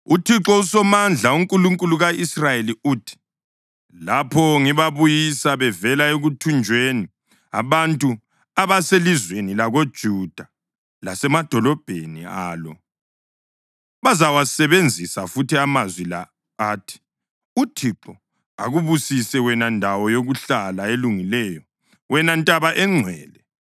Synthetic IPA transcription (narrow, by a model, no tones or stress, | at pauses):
utʰiǁɔusɔmand͡ɮʱauŋkʼuluŋkʼuluɣaisrajeliuːtʰi̥ | lapʰɔŋiβaβujisaβɛvɛlaeɣutʰund͡ʒʱweni | a̰βantʼu | aβaselizwenilaɣod̥ʒ̥ʱud̥ʱa | lasɛmad̥ʱɔlɔb̥ʱeniaːlɔ | βazawasɛβend͡zʱisafutʰiamazwila̰ | aːtʰi̥ | utʰiǁɔ | a̰ɣuβusisɛwɛnandʱawɔjoɣuɬalaeluŋilɛːjɔ | wɛnantʼaβaʔɛŋ͡ǀʱwɛ̰ːlɛ